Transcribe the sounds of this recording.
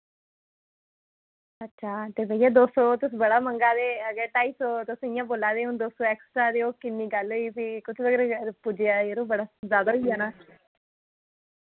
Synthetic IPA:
ətːʃʰaːt̪eːbəjãːd̪oːsoːt̪ʊsːbəɽaːməŋɡaːd̪eːəɡəɾʈaːisoːt̪ʊsɪjãːboːlaːd̪eːʊ̃nd̪oːst̪oːɛːksʈɾaːd̪eːoːkɪnːiːɡəlɦoiːsiːkʊt͡ʃʰʋəɡəɾepʊd͡ʒeaːeːɾũːbəɽaːzjaːd̪aːɦiːaːnaː

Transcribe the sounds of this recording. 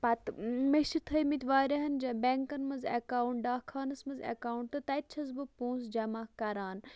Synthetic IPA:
pɐt̪mɐʃit̪ʰɐjmit̪ʲʋaːɾɐɦɐnd͡ʒɐbeŋkɐnmɐnzḛkaːuɳʈ̚ɖaːkʰaːnɐsmɐzḛkaːuɳʈ̚t̪ɨt̪ɐt͡ʃʰɐzbɨpõːnsd͡ʒɐmaːkɐɾaːn

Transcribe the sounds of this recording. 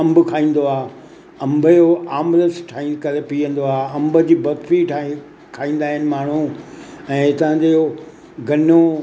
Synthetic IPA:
ɐ̃mbʱʊkʰaːĩːn̆d̪oaː | ɐ̃mbəjoaːmɾəsʈʰaikɐɾepiːə̃n̆d̪oaːɐ̃mbə̆d͡ʑiːbɐd̪fiʈʰ | kʰaːĩːn̆d̪aːɦɪnɪ̆maːɳ̤ũɛ̃ːt̪ɐʋə̃ɲd͡ʑeo | ɡɐno

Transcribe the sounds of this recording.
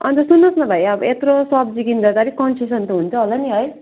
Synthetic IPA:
ʌ̰nt̪ʌsunːʌsnʌbʱʌjʌbʌ̰et̪rosʌb̚d͡zikind̪ʱʌd̪aɾikʌnsisʌnt̪uɦunt͡sʰʌɦolaniɦʌj

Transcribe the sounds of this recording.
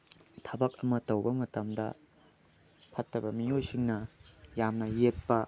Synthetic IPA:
tʰɐbɐk̚ɐmɐtɐwbɐmɐtɐmdɐ̰ | pʰɐtːɐbɐmijojsiŋnɐjamnɐjet̚pɐ

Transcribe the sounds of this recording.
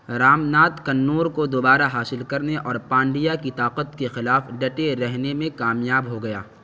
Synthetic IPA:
ɾaːmnaːt̪kɐnːoːɾkod̪obaːɾaɦaːsɪlkɐɾneʔɔːɾpãːɳɖijakit̪aːqət̪kexɪlaːfɖɐʈeɾɛɦnemẽkaːmjaːbɦoɡɐja̰ː

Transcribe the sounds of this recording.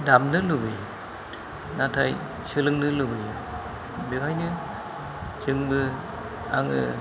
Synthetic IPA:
damnɯlubɯjɯ | natʰaj | sɯlɯŋnɯlɯbɯjɯ | bekʰajnɯ | kʰiŋbɯ | aŋɯ̰

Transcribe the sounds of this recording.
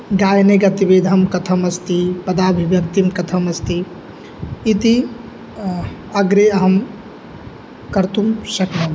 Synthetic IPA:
ɡaːjneɡɐt̪ibed̪ʱəmkɐt̪ʰəmɐst̪ipɐd̪abʱibjɐk̚t̪imkɐt̪ʰəmɐst̪iː | t̪i | əɡɾeəɦəm | kəɾt̪umsəknɐ

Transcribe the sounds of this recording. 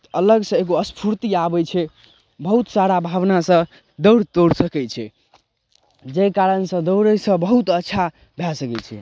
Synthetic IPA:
ələɡsə̃eɡoəspʰuɾt̪iabɛt͡ʃʰɛ | bəɦut̪saɾabʱabnasə̃ | d̪əwɽt̪oɽsəkɛt͡ʃʰɛ | d͡ʒɛkaɾənsə̃d̪əwɾəsə̃bəɦut̪ətːʃʰa | bʱɛsəkɛt͡ʃʰɛ̰

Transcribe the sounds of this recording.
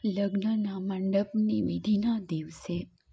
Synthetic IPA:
ləɡnənaməɳɖəpniʋid̪ʱinad̪iʋse

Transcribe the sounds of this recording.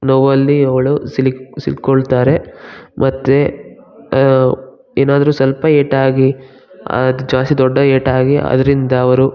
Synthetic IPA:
nɔʋɐlːiɐʋɐɭusilisḭlkɔɭt̪aːɾe̞mʔɐt̪ːe | eːnaːd̪ɐɾuːsɐlpɐeːʈaːɡi | ɐ̰d̪d͡ʒaːst̪id̪ɔɖːɐeːʈaːɡiɐ̰d̪ɐɾind̪ɐːʋɐɾu

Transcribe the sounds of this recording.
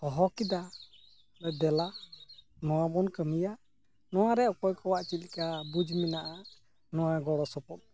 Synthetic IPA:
ɔɦɔkid̪a | lɔd̪ɛla | nɔwabɔnkəmija | nɔwaɾɛʔɔkɔjkɔwaʔt͡ʃilikabud͡ʒminaʔa | nɔwaɡɔɽɔsɔpɔt̪̚

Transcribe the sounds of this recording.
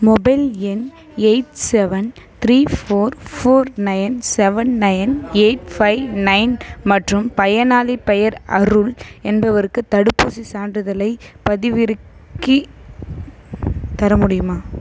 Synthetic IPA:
mɔbɐɪlɛn | ɛɪʈsɛʋɐnt̪ɾiːfoːɾfoːɾnɐɪnsɛʋɐnːɐɪneɪʈfɐɪnɐɪnmɐʈrɯmpɐjɐnaːlipɐjɐɾɐ̰ɾɯlɛnbɐʋɐɾɯkːɯt̪ɐɽɯpːuːsisaːnɖɯðɐlɐɪpɐðɪʋɪɾɯkːi | t̪ɐɾɐmʊɽɪjɯmaː

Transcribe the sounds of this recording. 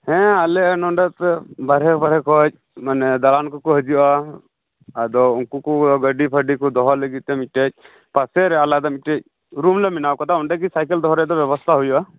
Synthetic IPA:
hɛ̃alɛnɔɳɖat̪baɾɦɛkbaɾɛkɔc̚ | manɛd̪alankɔkɔɦəd͡ʒiaː | d̪ɔunkukuɡəɖipʰəɖikɔd̪ɔɦɔləɡit̪ɛmiʈec̚ˀ | pasɛɾɛalad̪ɔmiʈec̚ | ɾumleminawkɔt̪aɔɳɖɛkisajkɛld̪ɔɦɾɛd̪ɔbjɛbɔst̪ʰaɦujuʔa

